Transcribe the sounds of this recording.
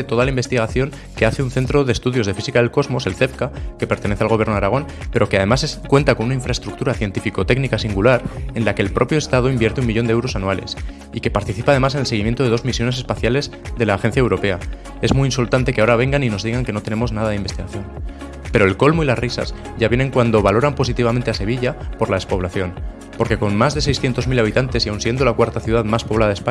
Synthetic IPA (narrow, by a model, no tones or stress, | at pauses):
et̪o̞ð̞alaimbe̞st̪iɣ̞aθjo̞ŋ | ke̞aθeunθe̞nt̪ɾo̞ðest̪uðjo̞zðe̞fisikaðe̞lko̞zmo̞se̞lθe̞fkake̞pe̞ɾt̪e̞ne̞θealɣo̞βjeɾnoaɾaɣ̞o̞npeɾokeað̞e̞masekwe̞nt̪ako̞nunaiɱfɾae̞st̪ɾuk̚t̪uɾaθje̞nt̪ifiko̞t̪e̞ɡnikasiŋɡulaɾe̞nlake̞ːlpɾo̞pjost̪að̞oimbjeɾt̪eumiʎo̞nd̪eewɾo̞sanuale̞̰s | ike̞paɾt̪iθipað̞e̞mase̞nelseɣimjent̪oð̞e̞ðo̞zmisjo̞nese̞spaθjale̞z | ðe̞laːxe̞nθjae̞wɾo̞pe̞a | e̞zmuiinsult̪ant̪e̞kaoɾaβ̞e̞ŋɡanino̞zðiɣ̞aŋke̞no̞t̪e̞ne̞mo̞znaðað̞eimbe̞st̪iɣaθjon | pe̞ɾo̞elko̞lmoilasrisa̰z | ʝaβjene̞ŋkwand̪o̞βalo̞ɾampo̞sit̪iβament̪e̞ase̞β̞iʎapo̞ɾlaðe̞spo̞β̞laθjo̞n | po̞ɾke̞ko̞nmazðe̞sejsθje̞nt̪o̞zmilaβ̞it̪ant̪e̞sjawnsje̞nd̪o̞lakwaɾt̪aθjuðaðmaspo̞β̞laðaðepa